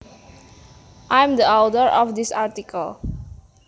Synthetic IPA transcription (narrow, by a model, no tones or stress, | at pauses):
ʔãjmd̪iawdəɹɔfd̪isaɹtikʰəl